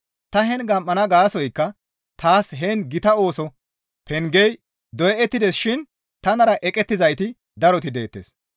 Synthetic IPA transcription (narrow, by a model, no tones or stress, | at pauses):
t̪ɐɦɛnɡɐmːɐnɐɡaːsɔjkːɐ | t̪ʰaːsɦɛnɡɪt̪ɐo̞ːsɔ | pɛŋɡɛj | d̪ɔjɛʔɛt̪ːɪd̪ɛsʃɪn | t̪ɐnɐɾɐʔɛkʼɛt̪ːɪzɐjt̪ɪ | d̪ɐɾɔt̪ɪd̪e̞ːt̪ːeːs